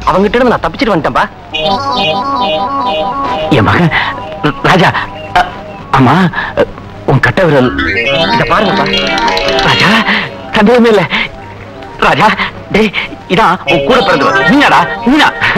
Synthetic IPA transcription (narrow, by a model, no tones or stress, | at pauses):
ɐʋɐŋɡɐʈːɪɽɐnɯnãːt̪ɐpːɪt͡ʃːɪʈːɯʋɐnɪʈːẽːpaː | eːma̰ɣɐ | ɾaːd͡ʒaː | aːmaː | ʊŋɐkɐʈːɐʋɐɾɐlɪðɐpaːɾɯŋɡɐpaː | ɾaːd͡ʒaː | sɐnd̪ɪjɐmeːɪlːɛ | ɾaːd͡ʒaː | ɖeɪðãːʊ̃kuːɽɐpːɐɾɐnd̪ɯʋɐ̰niːnãːɽaːniːnã̰ː